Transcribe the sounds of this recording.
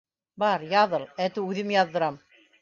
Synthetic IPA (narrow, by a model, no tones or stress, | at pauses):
bɑɾjɑðɤlˠæt̪ʉʉðɘmjɑðːɤ̆ɾɑm